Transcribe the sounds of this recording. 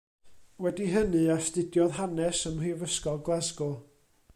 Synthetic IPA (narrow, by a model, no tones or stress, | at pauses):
wɛdiɦənɨastɨdjɔðɦanɛsəmrivəskɔlˠɡlˠɛzɡʊ